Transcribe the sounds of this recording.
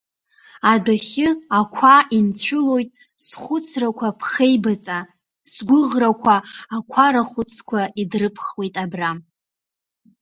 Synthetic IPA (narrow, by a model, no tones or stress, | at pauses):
adaχʲɪakʷʰaint͡ɕʷʰʊlo̞jtʼ | sχʷʊt͡sʰrakʷʰapʰχejbat͡sʼa | sɡʷʊʁrakʷʰaːkʷʰaɾaχʷʊt͡sʰkʷʰaidrɨpʰχwejtʼabram